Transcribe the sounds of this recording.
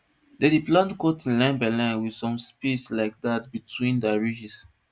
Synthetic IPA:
dɛdiplãntkotĩnlãnbalãɪ̃nwidsɔ̃mspislaɪk̚datbitʰwĩndaɹid͡ʒis

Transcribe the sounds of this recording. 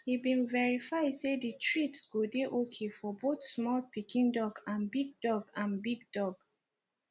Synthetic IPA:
hibĩnvɛɹifaɪdseditʰɹitɡ̥odeʔokʰefɔbotsmɔlpikĩndɔɡãnbiɡ̚dɔɡãnbiɡ̚dɔɡ

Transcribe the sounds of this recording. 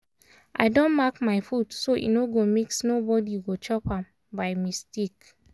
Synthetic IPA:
ʔa̰ɪdɔ̃nmakmaɪfudsoʔḭnoɡomiksnobɔdiɡot͡ʃɔpãm | baɪmistik

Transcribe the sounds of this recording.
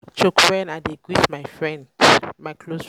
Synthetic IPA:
t͡ʃokwɛnadeɡwiθmajfɹɛ̃ndmajkʰlos

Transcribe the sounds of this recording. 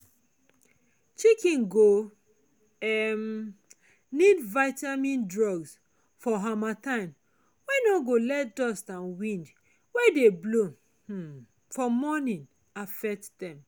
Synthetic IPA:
t͡ʃikĩnɡo | ɛm | nidvaɪtamĩndɹɔɡs | fɔɦamatãɪ̃m | wɛnɔɡolɛtdɔstãnwĩnd | wedeblo | fɔmɔnĩn | afɛk̚tdɛ̃m

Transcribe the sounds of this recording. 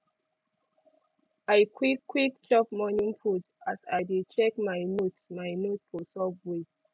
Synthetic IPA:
ajkwikːwikt͡ʃɔpmɔnĩŋpʰut | asajdit͡ʃɛkmajnotmajnotfɔsɔbwe

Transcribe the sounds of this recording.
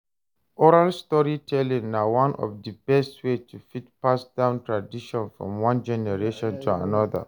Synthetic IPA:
ʔɔɹalstɔɹitʰɛlĩŋnawãnʔɔ̰fdəbɛstwetʰufit̚pasdãʊ̃ntɹadiʃɔ̃nfɹɔ̰̃mwãnd͡ʒɛnɛɹeʃɔ̃ntʰua̰nɔðə̰

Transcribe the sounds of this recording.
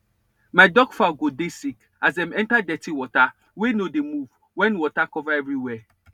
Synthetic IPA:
maɪdɔɡfaʊɡodesik | azdɛ̃mɛ̃ntadɛtiwɔta | wenodemuv | wɛ̃nwɔtakɔvaɛvɹiwɛ

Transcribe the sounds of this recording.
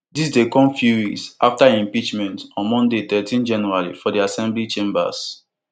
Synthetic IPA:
dis̬dekɔ̃mfjuwiksaftaĩmpit͡ʃmɛ̃ntɔ̃nmɔ̃ndet̪ɛtʰĩnd͡ʒɛnɛɹaɹḭfɔdiasɛ̃mblit͡ʃẽmba̰s

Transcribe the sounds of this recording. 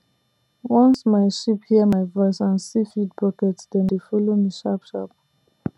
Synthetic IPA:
wɔ̃nsmaɪʃiphiəmaɪvɔɪsãnsifid̚bɔkɛtsdɛ̃ndefɔlomiʃapʃa̰p

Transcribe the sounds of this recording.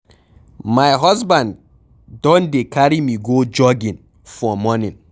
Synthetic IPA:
majɦɔsbãnd | dɔ̃ndekaɾimiɡod͡ʒɔɡĩn | fɔmɔnĩn

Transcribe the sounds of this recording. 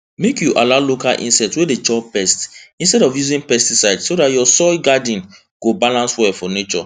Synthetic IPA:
mekjuʔalaʊlokalʔḭ̃nsɛtwedet͡ʃɔpɛstĩnstɛɾɔfjuzĩnpɛstisaɪdsodatjɔsɔjɡadĩn | ɡ̥obalãnswɛfɔnet͡ʃɔ̰

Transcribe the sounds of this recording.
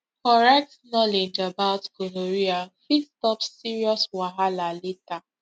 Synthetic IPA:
kɔɹɛk̚tnɔled͡ʒabaʊtkoloɹiafistɔpssiɹiɔswaɦalaleta

